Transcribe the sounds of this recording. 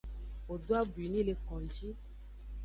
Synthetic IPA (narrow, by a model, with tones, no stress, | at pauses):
o˨do˦a˦bwi˨nĩ˦le˨kɔ̃˨d͡ʒi˦